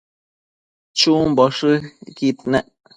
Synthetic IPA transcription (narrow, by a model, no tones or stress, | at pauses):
t͡ʃuːmbɔʂɨkit̪̚nɛʔ